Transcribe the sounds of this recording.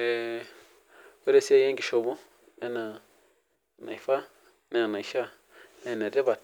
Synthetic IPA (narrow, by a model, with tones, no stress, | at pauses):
e˨ | e˦ɾe˦˧si˦a˧jã˦ŋɡi˧ʃo˧βũ˦ | e˦nã˧ | nã̰˨i˨fa˦ | nã˧˨nã˨i˨ʃa˦ | ẽ˧˨nã˨ɾe˦βa˧